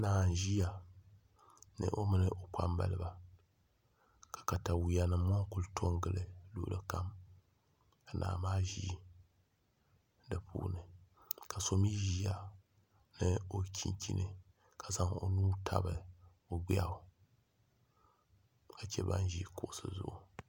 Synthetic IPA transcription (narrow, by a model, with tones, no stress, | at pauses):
naː˦˨n˨ʒi˦ja˨ | nɨ̰˨ʔo˦mɨ˦nɨ˦ʔo˨k͡pa̰˦mba̰˦lɨ˦ba˨ | kḁ˨ka˨ta˨wi˨ja˨nɨ˨mː˦ɔ˦ŋ˦kʊ˦ltʰo˦ŋɡɨ˦lɨ˦lṵ˦˨˦lɨ˨ka˦m | ka˨nʔa̰ː˨maː˦ʒḭ˦ | dɨ˨pʰṵː˦nɨ˨ka˨so˨mi˦ʒi˦a˦ | nɨ˦o˨kʲʰi˦nkʲḭ˦nɨ˨ | ka˨za˦ŋo̰˨nuː˦tʰa̰˦bɨ˨ | o˨ɡ͡bi˦a˦˨ | ka˨t͡ʃɛ˦ba̰˦n˦ʒi˦kʊ˨ʔsɨ̰˦zʊ̰˦ʔu˨